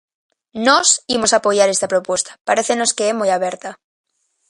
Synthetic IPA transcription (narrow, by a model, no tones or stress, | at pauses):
nosimo̞sapoʝaɾe̞st̪apɾo̞pwe̞st̪ḁpaɾeθe̞no̞skeemojaβ̞eɾt̪a